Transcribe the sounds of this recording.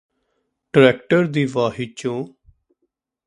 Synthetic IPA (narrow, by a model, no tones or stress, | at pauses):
ɖɾɛːkʈəɾd̪iːʋaːɦiːt͡ʃõː